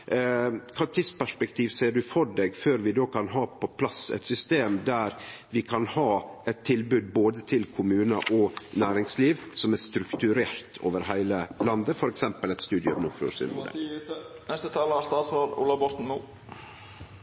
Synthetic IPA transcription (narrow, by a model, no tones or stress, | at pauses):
kʰɑʈ̪ʰɪspæʂpɛkt̪ʰiːʋsæɪəɖʉfɔɖeːɡføːɾʋɪd̪oːkʰɑnɦɑːpʰɔpʰlɑsɛ̰ɪt̪sʏst̪eːmd̪æɾʋɪkʰɑnhɑːɛt̪ʰːɪlbʉd̪̚boːd̪ət̪ʰɪlkʰʊmʉːnɑʔɔnæːɾɪŋsliːʋsɔmæɾst̪ɾʉkt̪ʉɾeːɾt̪ʰo̰ːʋəɾɦæɪləlɑnd̪əfɔɾɛksɛmpəlɛɪt̪st̪ʉːd̪ɪəmnʊfʉ̰sɪ̰n̰ə̰nɛst̪ət̪ʰɑːləɑst̪ɑːsoːɾṵːlɑbɔt̪n̩ːuː